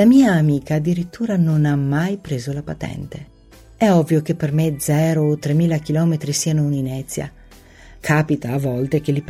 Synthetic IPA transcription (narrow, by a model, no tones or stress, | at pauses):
lamiːaːmiːkaːd̪ːiɾit̪ːuːɾanonamːajpɾeːzolapat̪ɛ̰nt̪e | ɛɔvːjok̟epːermed̪zɛːɾoːt̪ːɾemːiːlak̟ilɔːmet̪ɾisiːanouninɛt̪sːja̰ | kʰaːpit̪aːvːɔlt̪ek̟elːip